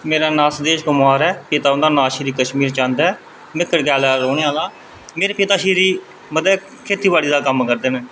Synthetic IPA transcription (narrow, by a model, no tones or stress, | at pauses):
meːɾaːnaːsd̪eːʃɡʊmaːɾɛːpɪt̪aːʊnd̪aːnaːʃiɾiːkəʃmiːɾt͡ʃãːnd̪ɛː | mɪkːəɽɡɛːlɛːɾoːɽeaːlaː | meːɾeːpɪt̪aːʃiːɾiː | məd̪ɛː | kʰeːt̪iːbaːɽiːd̪aːkəmkəɾd̪eːnɛ̃ː